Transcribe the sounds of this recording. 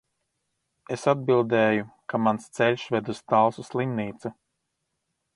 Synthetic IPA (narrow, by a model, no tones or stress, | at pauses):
esad̪̚bilˠd̪ɛːjukamanst̪sɛlʲʃved̪uz̥t̪alˠsuslˠimniːt̪su